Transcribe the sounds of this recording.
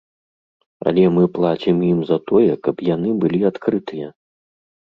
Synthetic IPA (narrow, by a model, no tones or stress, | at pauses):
ɐ̰lʲɛmɨplˠat͡ɕʲimjimzɐt̪ɔjɛkɐpjan̪ɨbɨlʲiat̪kɾɨt̪ɨjɛ